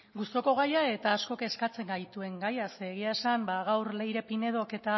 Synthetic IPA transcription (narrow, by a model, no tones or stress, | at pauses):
ɡust̪o̞ko̞ɣ̞ajae̞t̪aːsko̞ke̞skat͡se̞ŋɡajt̪ue̞ŋɡajaseːɣ̞iaesambaɣ̞awɾle̞jɾe̞pine̞ð̞o̞ke̞t̪a